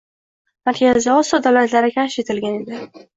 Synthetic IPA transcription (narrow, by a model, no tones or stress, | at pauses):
maɾkʲʰazɪd̪aɒsiɒd̪awlat̪laɾɪkʲʰaʃet̪ʰɪlɡʲane̞d̪ɪ